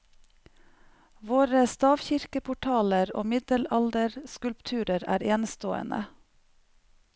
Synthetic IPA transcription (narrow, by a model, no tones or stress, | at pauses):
ʋoːɾəst̪ɑːʋçɪɾkəpʰʊʈʰɑːləɾo̰ːmɪd̪əlɑld̪əɾskʉlpt̪ʰʉːɾəɾæ̰ːɾeːnəst̪oːə̰nʔə̰